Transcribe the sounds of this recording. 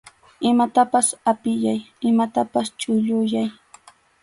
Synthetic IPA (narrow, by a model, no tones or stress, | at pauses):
ɪmat̪apasapɪjajɪmat̪apast͡ʃʊʎʊjaj